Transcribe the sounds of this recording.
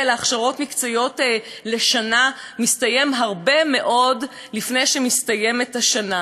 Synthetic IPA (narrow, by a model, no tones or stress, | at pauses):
eleaχʃaʁo̞tmikt͡sajo̞tle̞ʃana | mistaje̞mɦaʁbe̞me̞ʔo̞d | lifne̞jʃemistaje̞metaʃana